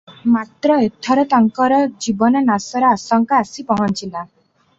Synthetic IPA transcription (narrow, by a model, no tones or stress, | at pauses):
mat̪ɾɔet̪ʰɔɾɔt̪ɔŋkɔɾɔd͡ʒibɔnɔnasɔɾɔasɔŋkɔasipɔɦɔnt͡ʃila